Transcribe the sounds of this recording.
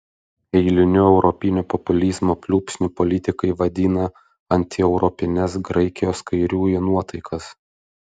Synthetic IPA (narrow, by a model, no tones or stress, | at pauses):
ɛɪlʲɪnʲʊɛʊɾɔpʲɪnʲuːpɔpʊlʲiːzmoːpʲlʲuːpʲsʲnʲupɔlʲɪt̪ʲɪkɐɪʋɐd̪ʲiːnɐ | ɐnʲt̪ʲɪɛʊɾɔpʲɪnʲɛs̬ɡɾɐɪkʲɪjoːskɐɪɾʲuːinuɔt̪ɐɪkʰɐs